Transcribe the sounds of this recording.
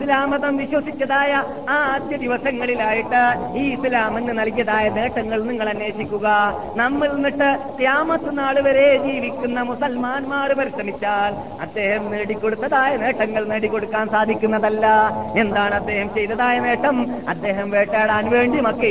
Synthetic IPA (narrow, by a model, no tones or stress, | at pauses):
slaːmɐðɐmʋiɕwɐsit͡ɕʲːɐðaːjɐ | aːd̪jɐd̪iʋɐsɐŋːɐɭilaːjiʈːɨ | iːslaːmenːɨnɐlkijɐðaːjɐne̞ːʈːɐŋːɐɭniŋːɐɭɐnːe̞ːɕikʲːuɣɐ | nɐmːiɭnːiʈːɨkjaːmɐt̪ːɨnaːɭuʋɐɾe̞d͡ʑiːʋikʲːunːɐmusɐlmaːnmaːrɨpɐɾiʂɾɐmit͡ɕːaːl | ɐd̪ːe̞ːhɐmneːɽikʲːo̞ɽut̪ːɐðaːjɐne̞ːʈːɐŋːɐɭneːɽikːo̞ɽukːaːnsaːd̪ʱikʲːunːɐðɐlːɐe̞nd̪aːɳɐd̪ːe̞ːhɐmt͡ɕe̞jt̪ɐðaːjɐne̞ːʈːɐmɐd̪ːe̞ːɦɐmʋe̞ːʈːaːɽaːnʋe̞ːɳɖimɐkːe